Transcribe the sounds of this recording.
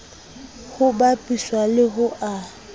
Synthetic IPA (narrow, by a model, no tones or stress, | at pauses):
hʊbapʼiswalɪɦʊʔa